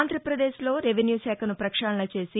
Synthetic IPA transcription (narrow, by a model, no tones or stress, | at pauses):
nd̪ʱɾɐpɾɐd̪eːʃlo̞ːɾeʋenjuːʃɛːkʰɐnupɾɐkʂaːɳɐnɐt͡ʃe̞ːsi